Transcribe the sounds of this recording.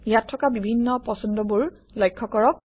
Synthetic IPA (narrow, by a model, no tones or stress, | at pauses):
jatʰːɔkabibʱinːɔpɔsɔndɔbuɹ | lɔjkʰːɔkɔɹɔk̚